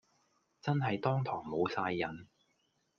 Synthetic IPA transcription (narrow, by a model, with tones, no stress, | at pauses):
t͡sɐ˥nɦɐ˨jt̪ɔː˥ŋt̪ʰɔː˨˩ŋmo˨˧wsaː˧jːɐ˨˧n